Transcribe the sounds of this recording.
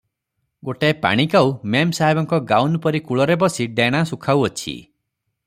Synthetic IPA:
ɡoʈepa̰ɽ̃ikawmemsaɦibɔŋkɔɡawnpɔɾikuɭɔɾebɔsiɖeɽ̃asukʰawɔt͡ʃʰḭ

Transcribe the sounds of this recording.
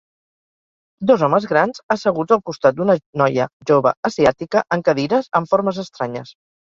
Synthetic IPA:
d̪ɔzɔməzɣɾanzəsəɣ̞ud͡zəlˠkust̪at̪̚d̪unənɔjə̰ʒoβə̰əziat̪ikəʔəŋkəðiɾəzəɱfoɾməzəst̪ɾaɲəs

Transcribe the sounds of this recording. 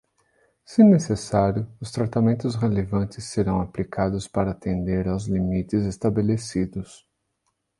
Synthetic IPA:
sɪnesesaɾjʊʊst̪ɾat̪amẽnt̪ʊsʁelevɐ̃nt̪ɪsːeɾɐ̃w̃aplikʰad̪ʊspaɾɐːt̪ẽnd̪eɾawzlimit̪ɪzest̪abelesid̪ʊs

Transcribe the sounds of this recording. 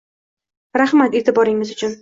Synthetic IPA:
ɾaχmat̪e̞t̪ʰɪbɒɾɪŋːɪzʊt͡ʃʰʊn

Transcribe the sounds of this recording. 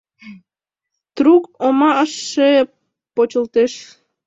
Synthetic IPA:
t̪rukomɑəʃːe | pot͡ɕə̆lt̪eʃ

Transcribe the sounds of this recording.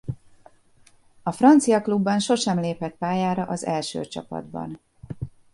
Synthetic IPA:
ɒfrɒnt̪sijɒklubːɒnʃo̞ʃɛmleːphɛt̪̚paːjaːɾɒʔɒzɛlʃø̰ːt͡ʃɒ̰pɒ̰d̪bɒ̰n

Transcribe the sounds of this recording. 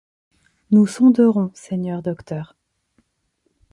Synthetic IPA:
nusɔ̃d̪əʁɔ̃sɛɲœʁd̪ɔkt̪œːʁ

